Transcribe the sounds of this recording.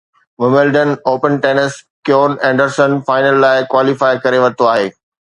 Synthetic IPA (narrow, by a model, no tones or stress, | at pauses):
ʋɐməlɖənoːpənʈeːnəs | kjoːnɛ̃ːɳɖəɾsənfaːɪnəlːaːɪkwaːlifaːɪkɐɾeʋɐt̪oaːɦeː